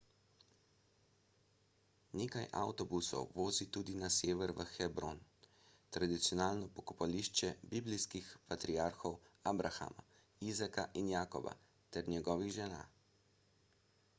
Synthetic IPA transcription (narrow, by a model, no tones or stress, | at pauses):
neːkajʔa̰wt̪ɔbusɔ̰wʋoːzit̪uːd̪inaseːʋɛɾʋəxɛbɾon | t̪ɾad̪it̪sjɔnaːlnɔpɔkɔpaliʃt͡ʃɛbibliskixpat̪ɾijaːɾxɔwaːbɾaxa̰ma̰ | izakaʔinjaːkɔ̰ba̰ | t̪ɛɾnʲjɛɡɔːʋiɣʒɛna̰ː